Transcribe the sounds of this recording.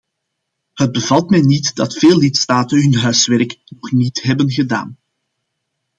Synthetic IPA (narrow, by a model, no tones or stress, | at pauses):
həd̚bəvɑlˠtmɛjnitdɑtfeːlːɪtstaːtənɦɵnɦœɥsʋɛɾknɔxnitɦɛbənɣəda̰ːn